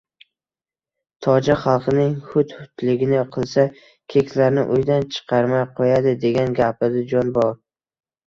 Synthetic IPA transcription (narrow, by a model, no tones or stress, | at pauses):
t̪ʰɒd͡ʒaχɑlˠqʰɨnɪŋhʊt̪hʊt̪lɪɡʲɪnɪqʰɨlˠsa | kʲʰe̞kʲʰlaɾnɪ̰ʔʊjd̪ant͡ʃʰɨ̥qʰɑɾmajqʰojad̪ɪd̪e̞ɡʲanɡʲapʰɪd̪ɪd͡ʒɒnbɒɾ